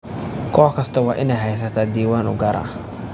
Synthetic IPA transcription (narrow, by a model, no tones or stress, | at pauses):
kʰɔːħkʰɐst̪ʰɐwɑːʔɪnɛjɦɛjs̬ɐt̪ʰaːd̪iːwaːnʊ̰ɡɐɾa̰ː